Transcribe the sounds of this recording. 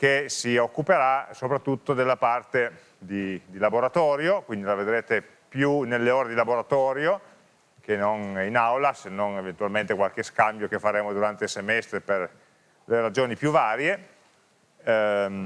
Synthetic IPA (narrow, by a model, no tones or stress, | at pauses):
kesiokːupeɾasopɾat̪ːut̪ːod̪elːapart̪e | d̪id̪ilaboɾat̪ɔːɾjokwind̪ilaved̪ɾeːt̪e | pjunelːeoːɾed̪ilaboɾat̪ɔːɾjo | k̟enoninawlasenːonevent̪ualment̪ekwalkeskambjokefːaɾeːmod̪uɾant̪eilsemɛst̪ɾeper | leɾad͡ʒoːnipjuvaːɾje